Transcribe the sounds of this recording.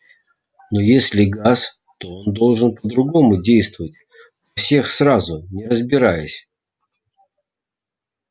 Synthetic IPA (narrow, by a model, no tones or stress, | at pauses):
nojesʲlʲɪɡas | t̪o̞ond̪o̞lˠʐɨnpəd̪ɾʊɡo̞mʊdʲejst̪vəvətʲ | nofsʲe̞xsrazʊnʲɪrəzbʲɪɾajʊsʲ